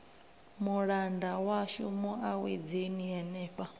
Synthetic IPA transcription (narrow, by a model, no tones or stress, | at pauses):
muɺandawaʃṵmuʔawḛd͡zeniɛnɛːpʼa